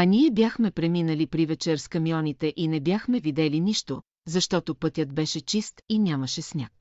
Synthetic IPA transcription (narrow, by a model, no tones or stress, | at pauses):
ɐniɛbʲjaxmɛpɾɛminəlipɾivɛt͡ʃɛɾskɐmiɔnit̪ɛʔinɛbjaxmɛvid̪ɛliniʃt̪o | zɐʃt̪ɔt̪opɤt̪ʲjət̪̚bɛʃɛt͡ʃist̪inʲamɐʃɛsnʲak̚